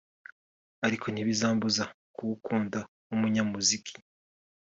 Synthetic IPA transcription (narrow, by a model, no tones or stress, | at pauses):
aɾikʰo̞niβizaːmbuza | kuwukʰuːnda | umuɲamuzikʰi̥